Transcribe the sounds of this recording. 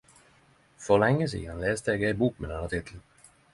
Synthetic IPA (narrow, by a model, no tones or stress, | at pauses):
fɔlɛŋːəs̬ḭːɑnleːsd̪əɛːɡeɪbuːk̚mḛd̪anɑt̪ʰɪt̪ʰln̩